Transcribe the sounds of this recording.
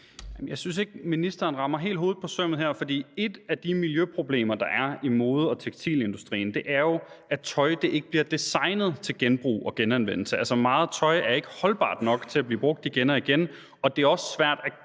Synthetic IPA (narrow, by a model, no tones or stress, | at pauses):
jjæmnjɑ̈ɪsynse̝ɡ̥minisd̥ɐːnʁɑ̈mɐɦe̝̰ːld̥o̝ːð̩ˠpʰɒ̽sœm̰ð̩ɦeɐfɒ̽d̥ḭːe̝d̥æd̥imiljøpʰʁo̝b̥le̝̰ːmɐd̥ɑ̈ʔæɐimo̝ːð̞̩ˠɒ̽t͡sʰeɡ̥st͡sʰḭːle̝nd̥usd̥ʁḭːn̩d̥e̝ʔæɐjo̝ʔæt͡sʰɒ̽ɪd̥eʔe̝ɡ̥əb̥liɐd̥isɑ̈ɪnəð̞̩ˠt͡sʰe̝lɡ̥enb̥ʁṵːɒ̽ɡ̥enænʋen̰l̩səælsɐmɑ̈ːð̩ˠt͡sʰɒ̽ɪæɐe̝ɡ̥əhɒ̽lb̥ɑ̰̈ːd̥nɒ̽ɡ̥t͡sʰe̝læb̥lḭːb̥ʁɔ̽ɡ̥̚d̥iɡ̥enɒ̽iɡ̥en | ɒ̽d̥e̝æɐɒ̽sə̥sʋæɐ̰d̥æ